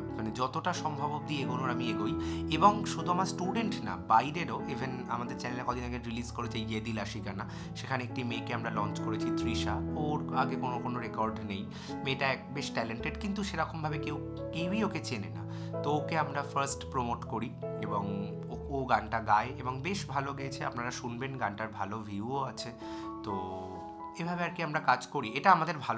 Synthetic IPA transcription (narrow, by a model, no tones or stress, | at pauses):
maned͡ʑɔt̪oʈaʃɔmbʱabob̚d̪ieɡonoɾamieɡojeboŋʃod̪ʱuamaɾsʈuɖeɳʈna̰bajɾeɾoʔibʱena̰mad̪eɾt͡ɕɛnelɛkɔd̪inaɡeɾilizkoɾet͡ɕajɡed̪ilaʃikana | ʃekʰaneek̚ʈimekeamɾalɔnt͡ɕkoɾet͡ɕʰit̪ʰɾiʃaoɾaɡekonokonoɾekɔɾɖnej | meʈaɛbeʃʈɛleɳʈeɖkint̪uʃeɾɔkombʱabekew | kewioket͡ɕenena̰ | t̪ookeamɾafɐɾsʈpɾomoʈkoɾieboŋ | ooɡanʈaɡaeeboŋbeʃbʱaloɡet͡ɕʰea̰pnaɾaʃunbenɡanʈaɾbʱalovʱiuoat͡ɕʰe | t̪o | ebʱabeaɾkiamɾakad͡ʑkoɾieʈaamad̪eɾbʱalo